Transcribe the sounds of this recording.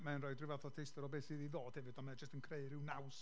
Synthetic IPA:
manrɔɨdrɪvaθɔtʰejstɔɾɔbeːθiðiðoːd̥hɛvɪdɔnmad͡ʒəstənkʰrejɾɪwnaws

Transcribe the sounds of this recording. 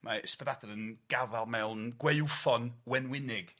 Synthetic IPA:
mʔaɪspɛdadɛɾənɡ̥avalˠmɛwnɡwejwfɔnwɛnwɪnɪɡ̥

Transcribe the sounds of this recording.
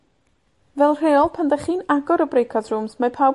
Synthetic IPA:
vɛlˠr̥eːɔlˠpʰandaχiːnaɡɔɾəbrejkʰɔdrʊmsmapʰaw

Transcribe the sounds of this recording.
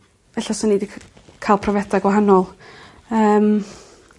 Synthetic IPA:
vɛɬasɔnidikʰkʰaːlˠpʰrɔvɛdaɡwaɦanɔlˠ | əːm

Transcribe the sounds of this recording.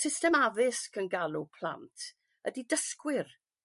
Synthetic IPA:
sɪstɛmavɨskʰənɡalˠupʰl̥ˠa̰ntʰ | ədidəskwɪr

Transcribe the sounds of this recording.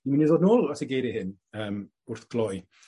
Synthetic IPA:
iminiðoːdnoːlˠɔsəɡeɾihɪn | əːm | ʊrθɡ̥lˠɔj

